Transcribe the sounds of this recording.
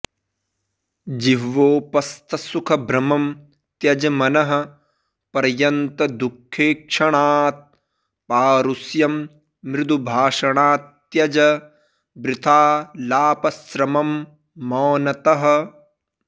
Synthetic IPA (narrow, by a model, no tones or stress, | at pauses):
d͡ʒiʋoːpɐst̪ʰɐsukʰɐbʱɾɐmɐm | t̪jɐd͡ʒɐmɐnɐɦɐ̆ | pɐɾjɐnt̪ɐd̪ukʰːeːkʂɐɳaːt̪̚ | paːɾusjɐmː | ɾɪd̪ubʱaːʂɐɳaːt̪ | jɐd͡ʒɐ | bɾɪt̪ʰaːlaːpɐsɾɐmɐmː | ɔːnɐt̪ɐɦɐ̆